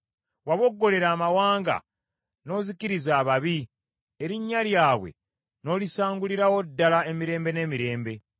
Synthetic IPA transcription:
waβo̞ɡːo̞le̞ɾaːmawaːŋɡa̰ | no̞ːziciɾizaːβaβi | e̞ɾiɲːaljaːβwe̞̰ | no̞ːlisaːŋɡuliɾawo̞dːalae̞miɾe̞ːmbe̞ne̞ːmiɾe̞ːmbe̞

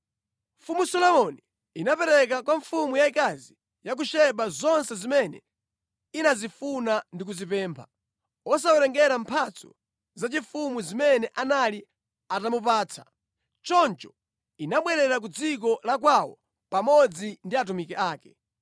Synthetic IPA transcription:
ɱfumusɔlɔmɔni | inapɛɾɛkakwaɱfumujaikazi | jak̬uʃɛɓazɔnsɛzimɛnɛ̰ | inazifunandik̬uzipɛːmpʰa | ɔs̬awɛɾɛŋɡɛɾampʰat͡sɔ̰ | zat͡ʃiɱfumuzimɛnɛʔanali | atamup̬aːt͡sʰḁ | t͡ʃɔnt͡ʃɔ̥ | inaɓwɛɾɛɾak̬ud͡zikɔlak̬wawɔ̰ | pamɔd͡zindiat̬umikɛʔaːkɛ

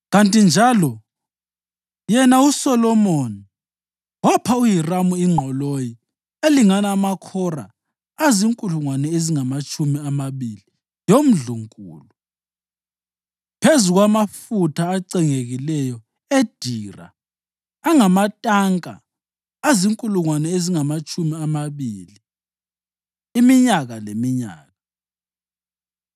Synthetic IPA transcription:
ɣantʼind͡ʒʱaːlɔ | jɛnausɔlɔmoni | wapʰaujiramuiŋ͡ǃʱɔloji | eliŋanaːmakʰɔra̰ː | ziŋkʼuluŋwanɛeziŋamat͡ʃʼumiamaβili | jom̩ɮuŋkʼṵːlu | pʰezuɣwamafutʰaːǀɛŋeɣilɛjɔ | ed̥ʱiːra̰ː | ŋamatʼaŋkʼa̰ː | ziŋkʼuluŋwanɛeziŋamat͡ʃʼumiamaβḭːli | imiɲaɣalemiɲa̰ːɣa

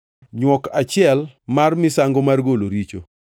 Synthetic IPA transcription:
ɲwɔkat͡ʃɪɛlmarmɪsaŋɡomarɡoloɾit͡ʃo̰

